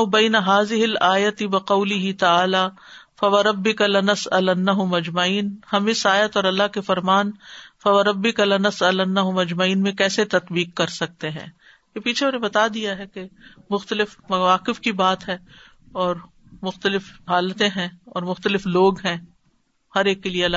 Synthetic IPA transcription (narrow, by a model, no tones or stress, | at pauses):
bɛːɪnɐɦaːzɪɦɪlaːjɐt̪ɪʋɐqɐʊlɪɦɪt̪aaːlaː | fɐʋɐɾɐbːɪkalɪnɐsɐlɐnːɐɦʊmɐd͡ʒmɐiːnhɐmɪsaːjət̪ɔːɾɐlːaɦkefɐɾmaːnfɐʋɐɾɐbːɪkalɪnɐsɐlɐnːɐɦʊmɐd͡ʒmɐiːnmẽkɛːset̪ɐt̪biːq̚kɐɾsɐk̚t̪eɦɛ̰̃ː | kepiːt͡ʃʰeʊnẽbɐt̪ad̪ijaɦɛkemʊxt̪əlɪfɐʋaːqɪfkibaːt̪ɦɛ | ɔːɾ | mʊxt̪əlɪfɦaːlət̪ẽɦɛ̃ɔːɾmʊxt̪əlɪfloːɡɦɛ̃ | hɐɾeːkːelieɐla